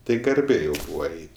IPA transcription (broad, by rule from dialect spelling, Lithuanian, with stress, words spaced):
ˈtɐɪ ɡɐrʲˈbʲeː jɛʊ ˈbuːʋɐ ˈɐɪtʲ